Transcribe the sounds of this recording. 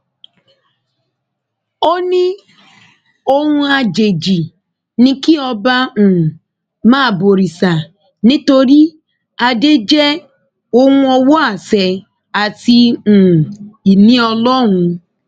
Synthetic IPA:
o˦nɪ˦ | o˦ŋʷu˦a˨d͡ʒe˨d͡ʒi˨ | nĩ˦ki˦ɔ˦ba˦˨ | maː˦˨bo˨ɾi˨sa˨ | nĩ˦to˦ɾi˦ | a˨de˦d͡ʒe˦ | ʊ˦ŋʊ̃˦ɔ˦wʊ˦a˨se˨ | a˨ti˦˨ | i˨nĩ˦ɔ˧lɔ˦ɦʊ̃˧

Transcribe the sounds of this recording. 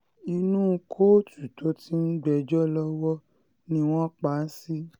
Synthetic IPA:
i˧nũː˦˧kʰo˦tu˨to˨˦ti˦n̩˦ɡ͡bɛ˧d͡ʒɔ˦lɔ˦wɔ˦ | nĩ˧w̃ɔ̃˦k͡pa˨˦si˦

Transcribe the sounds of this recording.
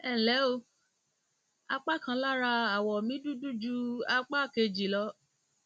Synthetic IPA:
ɛ̃˦˨lɛ˨˦o˧ | a˧k͡pa˦˨kã˧˦la˦ɾa˧a˨wɔ˨mĩ˨˦du˦du˦d͡ʒu˧a˧k͡pa˦˨ke˧d͡ʒi˨lɔ˧˦

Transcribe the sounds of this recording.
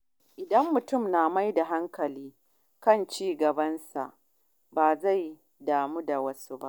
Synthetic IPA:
ʔɪ˨dɐ˦mːʊ˨tʊ˦˨mnaː˨ma˦jda˨ɦa˦ŋkɐ˨liː˦ | kɐ˦˨nt͡ʃiː˦ɡɐ˨bɐ˦nsa̰˨ʔ | baː˨za˦˨j | daː˨muː˦da˨wɐ˦su˦ba̰˦ʔ

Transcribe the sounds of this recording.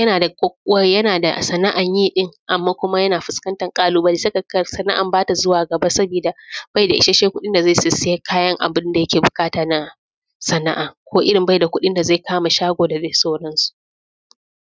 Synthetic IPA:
jɐ˦naː˨da˨kʷʼɐ˦k̚ʷʼʊ˦wɐ˦jɐ˦naː˨da̰˨sɐ˨na˦ʔa˨ɲjiː˦ɗɪ˦ŋʔa˨mːaː˦kʷʊ˦ma˦jɐ˦naː˨ɸʊ˨skɐ˦ntɐ˨ŋkʼaː˦luː˦ba˦lɪ˦sɐ˦kɐ˨kɐ˦sɐ˦na˦ʔa̰˨mbaː˦ta˨zʊ˦waː˨ɡɐ˨ba˦sɐ˦biː˨da˨b̥a˦jda˨ʔɪ̰˨˦ʃa˦ʃeː˦kʷʊ˦ɗɪ˦nda˨za˦˨sɪ˨sɪ˦ja˦kʰaː˦jɐ˦ŋʔa̰˨bɪ˦nda˨jɐ˦kʲeː˨bʊ˨kʼaː˦taː˨na˦ | sɐ˨na˦ʔa˨kʷʰoː˦ʔɪ˦ɽɪ˨mba˦jda˨kʷʊ˦ɗɪ˦nda˨za˦˨kʰaː˦ma˨ʃaː˦ɡʷoː˨da˨ze˦˨soː˦ɽɐ˦nsu̥˨ʔ

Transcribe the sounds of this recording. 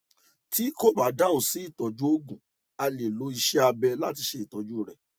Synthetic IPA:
ti˦ko˦˨ba˨˦da˦o˨si˨˦i˦˨tɔ˨d͡ʒu˦o˦ɡũ˨ | a˧le˨lo˨˦i˧ʃɛ˦a˧bɛ˧la˦ti˧ʃe˧i˨tɔ˨˦d͡ʒu˦˨ɾɛ˨

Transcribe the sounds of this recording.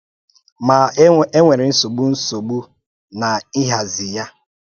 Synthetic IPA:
ma˨˦e˦ŋʷe˨ɾɪ˨n̩˦so˨ɡ͡bu˦n̩˦so˨ɡ͡bu˦ | na˨ɪ˦ɦa˨zɪ˨ja˦

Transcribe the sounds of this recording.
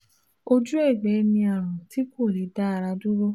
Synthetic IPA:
o˦d͡ʒu˦e˦˨ɡ͡bɛ˨˦mĩ˧a˨ɾ̃ũ˨ti˨˦ko˦˨le˨˦da˦a˧ɾa˧du˦wo˦

